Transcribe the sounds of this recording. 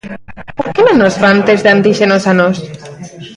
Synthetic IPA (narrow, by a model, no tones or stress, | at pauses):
poɾkenonozβant̪ezðeant̪iʃenosanos